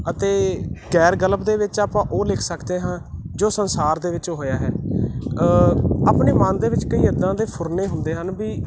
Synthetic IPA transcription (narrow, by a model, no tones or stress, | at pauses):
ət̪eːɡɛːɾɡələpd̪eːʋɪt͡ʃaːpãːʔoːlɪkʰsəkd̪eːɦãːd͡ʒoːsənsaːɾd̪eːʋɪt͡ʃɦoːjaːɦɛː | aːpneːmãːnd̪eːʋɪt͡ʃkəiːəd̪ãːd̪eːpʰʊɾneːɦʊnd̪eːɦənbiː